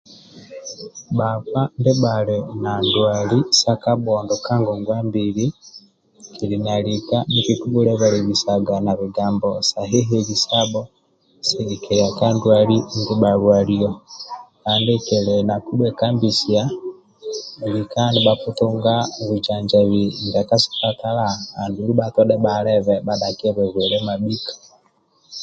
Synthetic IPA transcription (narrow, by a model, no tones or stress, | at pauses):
bakwandeβaɾenandwalisakaboːndokaŋɡoŋɡwaːmbiɾi | kʰiɾinalikanikikuβuɾeβaɾeβisaɡanaβiɡaːmbosaɦeɦeβisabo | seɡikeɾakandwaɾiŋɡeβaɾwaɾiokaːndekelɛnakubwɛkambisia | likandiɓakutoŋɡaβud͡ʒaɲd͡ʒaβiŋɡakasu̥katalaandulubatɔɗɛbaɾɛβɛbaɗakiɛβɛβweɾɛmaɓikḁ